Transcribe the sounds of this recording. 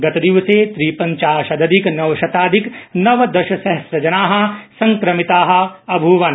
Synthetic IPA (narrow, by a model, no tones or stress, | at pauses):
ɡɐt̪ɐd̪iʋɐseːt̪ɾiːpɐ̃ɲt͡ʃaːʃɐd̪ɐd̪ʱiknɐʋɐʃɐt̪aːd̪ʱiknɐʋd̪ɐʃɐsɐɦɐsɾɐd͡ʒɐnaːɦɐ̆sɐ̃ŋkɾɐmit̪aːɦɐ̆ɐbʱuʋɐn